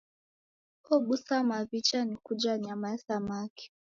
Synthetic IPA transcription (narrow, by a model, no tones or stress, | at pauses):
ɔɓusamavit͡ʃanikud͡ʒaɲamaɛsamaki̥